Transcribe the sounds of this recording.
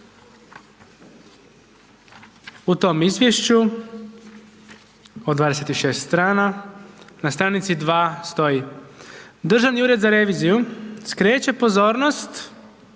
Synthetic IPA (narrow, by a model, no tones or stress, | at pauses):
ut̪o̞ːmizʋjeʃt͡ɕu | od̪ʋaːd̪e̞set̪iʃe̞ːst̪st̪ɾaːna | nast̪ɾaːnit̪sid̪ʋaːst̪o̞ji | d̪r̩ʒaniuːɾe̞d̪zaɾe̞ʋiːzijuskɾeːt͡ɕe̞po̞zo̞ːɾnost̪